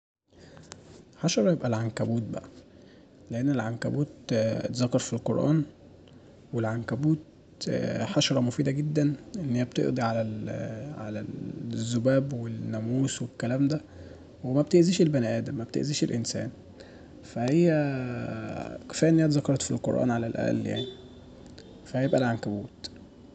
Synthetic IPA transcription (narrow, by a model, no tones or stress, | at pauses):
ħɑʃɑɾˤɑjebʔælʕankæbuːt̪̚bæ̰ʔæ | leʔenːelʕankæ̰buːt̪t̪zɑkːɑɾˤfilqoɾʔæ̰ːn | welʕankæbuːt̪̚ | ħɑʃɑɾˤɑmofiːd̪æɡed̪ːænʔenːiːæb̚t̪ḛʔd̪ˤiʕalælʕa̰læzːobæːbwenːæmuːswekːælæːmd̪æ | wemæb̚t̪eʔziːʃelbænæʔæːd̪æmæb̚t̪ḛʔziːʃḛlʔensæ̰ːn | fæhejːæ | ke̥fæːʔnːeːæt̪zɑkːɑɾˤɑt̪filqo̰ɾˤʔɑ̰ːnʕalælʔæ̰ʔlːja̰ʕni | fæhæjebʔælʕankæbuːt̪